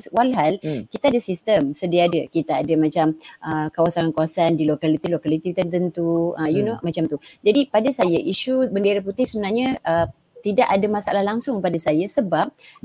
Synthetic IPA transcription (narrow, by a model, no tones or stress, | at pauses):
swalɦalkit̪aadasist̪əmsədiaadakit̪aːdamãt͡ʃamʔəkawasaŋankawasandilokalit̪ilokalit̪it̪ərt̪ənt̪uəjunomat͡ʃamt̪ud͡ʒadipadasajaʔiʃubəndeɾap̬ut̪ɪhsəbənarɲaə | t̪idaʔadamasaʔalahlaŋsʊŋpadasajasəbap̚